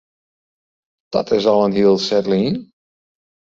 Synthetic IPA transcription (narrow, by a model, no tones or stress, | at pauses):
d̥ɔ̰tɪsɔlˠənɦiːəlˠsɛtlin